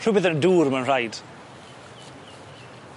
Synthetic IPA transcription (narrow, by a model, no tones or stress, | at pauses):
r̥ʊbɪðənduːrmanr̥ajd̥